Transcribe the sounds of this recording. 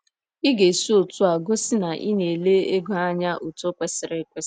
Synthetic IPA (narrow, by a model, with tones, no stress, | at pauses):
i˦ɡe˨su˦o˨tu˦a˨ɡo˦sɪ˦na˨ʔi˦ne˨le˦e˦ɡu˨˦a˦ɲa˦ʔo˨to˦kʷe˦sɪ˨ɾɪ˦kʷe˦s